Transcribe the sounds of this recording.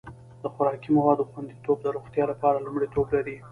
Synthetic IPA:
d̪̥əxʊɾɑkimawɑd̪oxwand̪it̪ob̚d̪əɾoxt̪jɑlapɑɾalumɽit̪oblaɾi

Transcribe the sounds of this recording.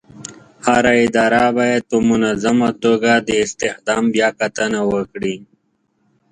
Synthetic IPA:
haɾaɪd̪ɑːɾabajet̪omʊnazamat̪oɡad̪əɪst̪exd̪ɑːmbjaːkat̪ənawəkɽi

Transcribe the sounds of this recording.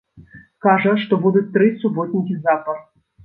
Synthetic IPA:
skaʐəʂt̪ɔbud̪ut̚ʲt̪ːɾɨsubot̪ʲnʲikʲizapər

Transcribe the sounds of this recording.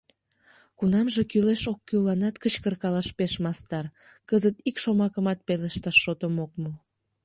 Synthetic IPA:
kunɑmʒekyleʃokːylːɑnɑt̪kət͡ɕkərkɑlɑʃpeʃmɑst̪ɑr | kəzət̪ikʃomɑkəmɑt̪̚peleʃt̪ɑʃːot̪əmok̚mə

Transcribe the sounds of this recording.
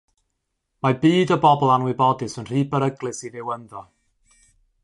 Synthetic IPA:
mabiːdɔbɔbɔlˠanwɪbɔdɨsənr̥iːbəɾəɡlˠɨsiðɪwənðɔ

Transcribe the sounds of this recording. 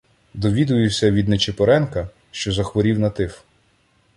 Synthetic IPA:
d̪ɔʋʲid̪ʊjʊwsʲɐʋʲid̪nɛt͡ʃepɔɾɛnkɐ | ʃt͡ʃɔzɐxʋɔɾʲiwnɐt̪ɪf

